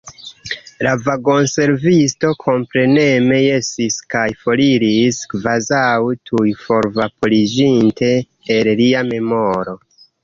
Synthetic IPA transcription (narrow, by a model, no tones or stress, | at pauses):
lavaɡo̞nse̞ɾvisto̞kʰo̞mpɾe̞ne̞me̞je̞siskajfo̞liɾiskvazawtʰujfo̞ɾvapolid͡ʒintʰe̞ː | lliame̞mo̞ɾo̞